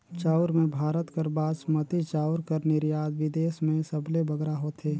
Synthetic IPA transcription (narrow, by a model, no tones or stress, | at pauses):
t͡ʃaːʊɾmẽbʱaːɾət̪kəɾbaːd̪smət̪it͡ʃaːʊɾkəɾnɪɾjaːd̪ʋɪd̪eːsmẽsəblebəɡɾaɦoːt̪ɦeː